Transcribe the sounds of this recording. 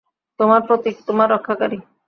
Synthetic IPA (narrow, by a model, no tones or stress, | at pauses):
t̪omaɾpɾot̪it̪omaɾːɔkʰːakaɾi